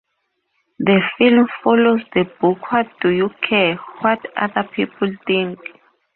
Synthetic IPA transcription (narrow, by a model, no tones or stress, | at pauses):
ðəfilmfɔlozdəbukʰwat̚d̥ujukʰɛwɔta̰ðapʰipʰultĩŋk